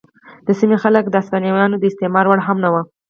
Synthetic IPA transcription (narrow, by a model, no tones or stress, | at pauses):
d̪̥əsimexalək̚d̪əast̪ɑnjawɑnod̪əɪst̪emɑɾwaɽɦamnawa